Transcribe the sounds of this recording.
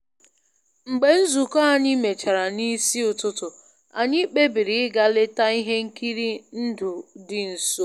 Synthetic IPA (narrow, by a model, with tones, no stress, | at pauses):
ŋ͡m̩˨ɡ͡be˨n̩˦zu˨kɔ˦a˨ɲɪ˦me˨t͡ʃa˨ɾa˨ni˦si˦ʊ˨tʊ˦tʊ˨ | a̰˨ɲɪ˦k͡pe˦bi˨ɾi˨ɪ˦ɡa˦le˦ta˦i˦ɦe˦ŋ̩˦ki˦ɾi˦n̩˦dʊ˨dɪ˨n̩˨so˦